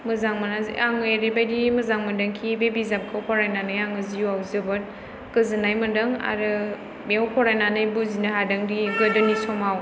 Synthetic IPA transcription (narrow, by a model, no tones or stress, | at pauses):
mɯzaŋmanazḭʔaŋɯjeɾebajdimɐzaŋmɐndɐŋkʰibebizap̚kʰawpʰɔɾajnanɯjaŋɯzijuawzɯbɐt̚ | kɯzɯnajmɐndɐŋa̰ɾɯ | mewpʰɔɾajnanɯjbuzinaɦadɐŋdiɡɐdɯnisɔmaw